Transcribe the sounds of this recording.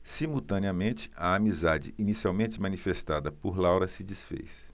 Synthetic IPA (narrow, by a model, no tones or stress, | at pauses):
simuwt̪ɐ̃niɐmẽnt͡ʃɪ̥ɐamizad͡ʒɪ̰inisiawmẽnt͡ʃɪmɐ̃nifest̪ad̪ɐpoɾlawɾɐsɪd͡ʒisfḛjs